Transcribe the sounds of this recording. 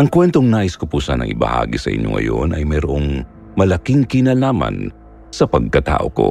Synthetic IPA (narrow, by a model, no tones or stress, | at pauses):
ʔɐŋkwɛnt̪oŋnaːʔɪskʊpuːsɐnɐ̰ŋʔɪbɐ̰ha̰ːɡisɐʔɪ̰ɲjo̰ŋʔɐ̰jo̞nʔɐjmɛɾoʔoŋ | mɐlɐkɪŋkɪnɐlaːmɐ̰n | sɐpɐɡ̚kɐt̪a̰ːʔo̞ko̞̰